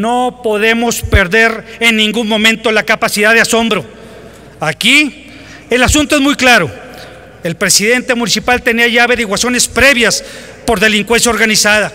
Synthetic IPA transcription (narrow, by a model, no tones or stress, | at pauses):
nopoðe̞mo̞spe̞ɾðe̞ɾenːĩŋɡunmõ̞mẽnt̪o̞lakapasiðaðeaso̞mbɾo̞ | aki | elasunt̪oezmujklaɾo̞ | e̞lpɾe̞siðe̞nt̪e̞munisipalt̪eniaʝaːβe̞ɾiɣwasjo̞ne̞spɾe̞βjas | po̞ɾðe̞liŋkwe̞ns̬jaoɾɣanisaða